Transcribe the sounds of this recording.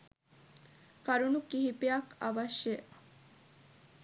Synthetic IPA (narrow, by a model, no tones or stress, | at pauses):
kɐɾunukiɦipiɐkɐʋɐʃːe